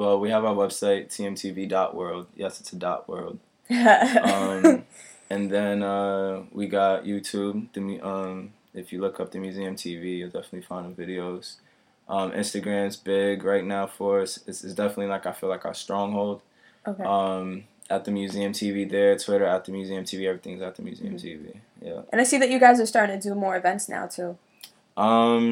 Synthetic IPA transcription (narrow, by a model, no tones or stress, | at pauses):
wɛlˠwiəvaʊə˞wɛb̥saɪtʰiɛ̃mtʰividɑʔwɜ˞lˠd̥̚jɛsɨtsʰɨdɑ̰ʔwɜ̰˞lˠd̥ | ʌ̃m | ɨ̃nðɨ̃nʌwiɡɑʔjʉtʰʉb̚ðɨmjʔʌ̃m | ɨfjɨlʊkʰʌp̚ðɨmjʉziɨ̃mtʰivijɨlˠdɛfənətˡlifãɪ̃ndɨ̃vɪɾioʊz̥ | ʔʌ̃mʔɪ̰̃nstɨɡɹæ̃mzbɪɡɹaɪtⁿnaʊfə˞ʌsɨtsɨtsd̥ɛfənətˡlilaɪkaɪfilaɪkastɹ̥ɔ̃ŋhoʊlˠd | oʌ̃m | ʔət̪̚ðɨmjʉziɨ̃mtʰiviðə˞tʰw̥ɪɾə˞ət̪̚ðɨmjʉziɨ̃mtʰiviɛvɹiθɪ̃ŋɨzɨt̪̚ðɨmjʉ̰zḭɨ̃mtʰivḭ | jæ̰ʔɨ̰̃naɪsiðɨt͡ʃɨɡaɪzə˞stɑɹɾɪ̃ŋtʰɨdɨmɔɹɨvɛ̃ntsna̰ʊtʰʉ | ʔʌ̃m